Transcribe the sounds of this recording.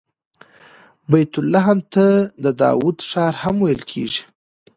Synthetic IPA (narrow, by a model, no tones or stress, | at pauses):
bajt̪ʊlːɑɦamt̪əd̪əd̪ɑ̰wud̪ʂɑɾhamwajəlkʰḛʒi̥